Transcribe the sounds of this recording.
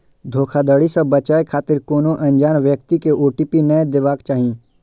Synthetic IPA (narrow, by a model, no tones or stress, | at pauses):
d̪ʱoːkʰad̪əːɽisɐbːɐt͡ʃaːekʰaːt̪ɪɾkoːnoʔɐ̃ɲd͡ʒaːnʋjək̚t̪ikeʔoːʈipinəd̪ɪʋaːkt͡ʃaːɦĩ